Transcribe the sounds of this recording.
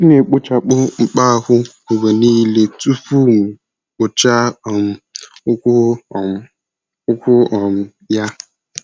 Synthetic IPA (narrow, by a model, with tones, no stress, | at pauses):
ne˨k͡pʊ˦t͡ʃa˨k͡pʊ˦ŋ͡m̩˦k͡pa˦˨hʷʊ˦o˨ɡe˨niː˦le˦tu˦fu˦m̩˨ | k͡pʊ˨t͡ʃa˦˨m̩˨˦k | ʊ˦kʷʊ˦ɔ˨m̩˨ | ja˦